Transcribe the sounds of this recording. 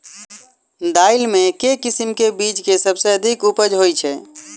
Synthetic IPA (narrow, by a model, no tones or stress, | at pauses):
d̪ailmẽkekisimkebit͡ʃkesəbseəd̪ʱikupəd͡ʒɦojt͡ʃʰɛ